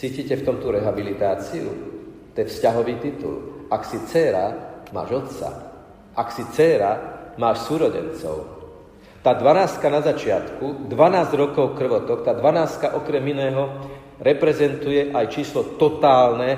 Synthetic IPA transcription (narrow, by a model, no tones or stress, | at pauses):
t͡siːcicɛft̪ɔmt̪uɾɛɦabilit̪aːt͡siṵ | t̪ɔɛfscaɦɔʋiːt̪it̪ṵlaksit͡sɛːɾa̰ma̰ːʒɔt̪sa̰ | ʔaksit͡sɛːɾamaːʃsuːɾɔɟɛ̰nt͡sɔ̰ʊ | t̪aːd̪ʋanaːst̪̚kanazat͡ʃɪat̪kud̪ʋanaːzɟɾɔkɔʊkr̩ʋɔt̪ɔkt̪aːd̪ʋanaːst̪̚kaʔɔkɾɛminɛːɦɔ | ɾɛpɾɛzɛnt̪ujɛʔajt͡ʃiːslɔt̪ɔt̪aːlnɛ